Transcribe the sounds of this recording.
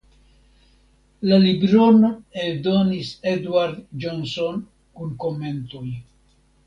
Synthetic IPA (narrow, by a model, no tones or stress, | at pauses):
lalibɾo̞noed̪o̞nised̪uwaɾd̪d͡ʒonso̞n | kunko̞me̞nt̪oj